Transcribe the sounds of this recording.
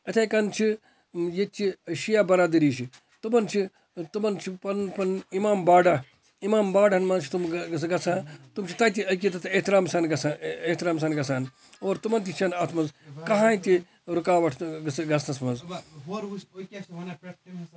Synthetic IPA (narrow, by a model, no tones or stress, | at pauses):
ɐt̪ʰɐjkɐnt͡ʃʰi | jet͡ʃiɐʃijaːbɐɾaːd̪ɐɾiːʃi | t̪umɐnt͡ʃʰi | t̪umɐnt͡ʃʰipɐnpɐnimaːmbaːɖa | imaːmbaːɖɐnmɐnt͡ʃʰi̥t̪umɐsɡɐsʰãːt̪umt͡ʃʰit̪ɐt̪iɐk̬it̪ɐt̪ʰeht̪iɾaːmsɐnɡɐsaeht̪iɾaːmsɐːnɡɐsʰaːn | oːɾt̪umɐnt̪it͡ʃʰɐnat̪ʰmɐnzkɐɦãːit̪i | ɾukaːʋɐʈʰɡɐsɡɐst̪ɐsmɐnz